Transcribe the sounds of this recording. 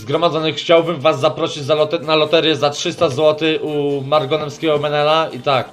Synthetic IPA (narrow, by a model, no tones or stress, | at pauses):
zɡɾɔmad̪zɔnɘxt͡ɕawbɘmvasːapɾɔɕid͡ʑzalɔt̪ɛnalɔt̪ɛɾjɛzatʂɘst̪azwɔt̪ɘʔumaɾɡɔnɛmskʲɛɡɔmɛnɛlait̪ak̚